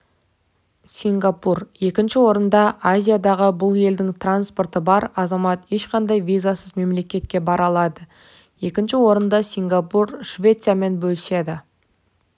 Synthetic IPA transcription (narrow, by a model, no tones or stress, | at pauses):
sʲiŋɡapurje̞kʲɪnʃɪwo̞ɾənd̪ɑʔazʲijad̪ɑʁəbʊlˠje̞ld̪ɪŋt̪ʰranspo̞rt̪əbɑɾɑzɑmɑt̪e̞ʃqɑnd̪ɑjvizasəzme̞mle̞kʲe̞t̪̚kʲe̞bɑɾɑlˠɑd̪ə | je̞kʲɪnʃɪwo̞ɾənd̪ɑsʲiŋɡapuɾʃvʲe̞t̪sɨjame̞nbɵlɪse̞d̪ɪ